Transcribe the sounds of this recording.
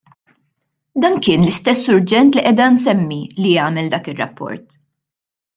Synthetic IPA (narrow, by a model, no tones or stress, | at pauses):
d̪ɐːnkɪːnlɪst̪ɛsːʊɾd͡ʒɛnt̪liʔɛːd̪ɐns̬ɛmːilijɐːmɛld̪ɐːkɪrːɐ̰pːɔ̰ɾt̪